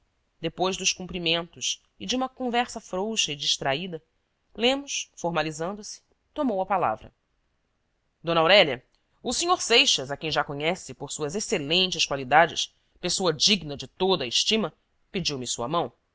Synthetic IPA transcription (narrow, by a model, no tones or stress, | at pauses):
d̪epojzd̪ʊskũmpɾimẽnt̪ʊs | ɪd͡ʒũmɐkõvɛɾsɐfɾowʃɐid͡ʒiʃt̪ɾaid̪ɐ | lẽmʊʃsfoɾmalizɐ̃nd̪ʊsɪ̥ | t̪omowɐpala̰vɾɐ̰ | d̪õnawɾɛʎɐ | ʊsĩɲoɾsejʃɐzɐkẽj̃ʒakoɲɛsɪpoɾsuɐzeselẽnt͡ʃɪʃkwalid̪ad͡ʒɪ̰s | pesoɐd͡ʒiɡnɐd͡ʒɪt̪od̪ɐːiʃt͡ʃĩmɐ | ped͡ʒiwmɪsuɐ̰mɐ̃w̃